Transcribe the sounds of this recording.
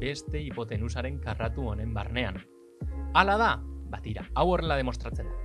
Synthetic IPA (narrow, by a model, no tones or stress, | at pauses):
be̞st̪e̞ipo̞t̪e̞nus̬aɾe̞ŋkarat̪uo̞ne̞mbarne̞a̰n | alað̞abat̪iɾa̰awo̞re̞lað̞e̞mo̞st̪ɾat͡se̞nd̪u